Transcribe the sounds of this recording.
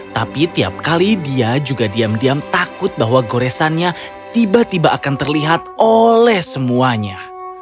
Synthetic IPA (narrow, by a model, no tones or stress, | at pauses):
t̪apit̪ia̰p̚kalidiad͡ʒuɡadiamdiamt̪akʊt̪̚bahwaɡoɾɛsanɲa | t̪ibat̪ibaʔakant̪ərliɦat̪̚olɛhsəmuaɲa